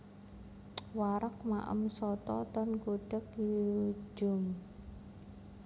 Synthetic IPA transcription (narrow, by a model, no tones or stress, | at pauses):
waɾək̚ma̰ʔə̰msɔt̪ɔt̪ɔnkuɖ̥ək | d͡ʒʊ̤m